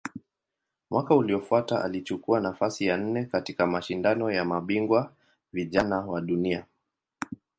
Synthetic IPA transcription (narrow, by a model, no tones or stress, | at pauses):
mwakauliɔfuataʔa̰lit͡ʃukuanafasijan̩nɛkatikamaʃindanɔjamaɓiŋɡwa | viʄanawaɗunia